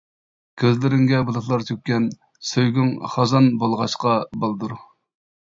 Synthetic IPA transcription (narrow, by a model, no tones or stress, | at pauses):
kʲʰøzlɪɾɪŋɡʲɛbulˠəχlˠɑɾt̪ʰøk̚ʲkʲːɛn | søjɡʲyŋχɑzɑnbɑlˠʁɑʃqɑbɑlˠd̪uɾ